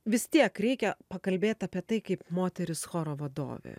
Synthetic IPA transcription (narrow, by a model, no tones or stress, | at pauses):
ʋʲɪst̪ʲiɛkɾʲɛɪkʲɛpɐkɐlʲbʲeːt̪ʲɐːpʲiɛt̪ɐɪkɐɪpmoːt̪ʲɛɾʲɪsxoːɾoːʋɐd̪o̰ːʋʲḛː